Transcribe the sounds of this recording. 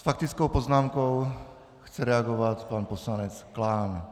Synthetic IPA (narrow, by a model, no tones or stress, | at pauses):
sfakt̪it͡skɔʊpɔznaːmkɔʊ | xt͡sɛɾɛaɡɔʋacpaːnpɔslaɲɛt͡sklaːn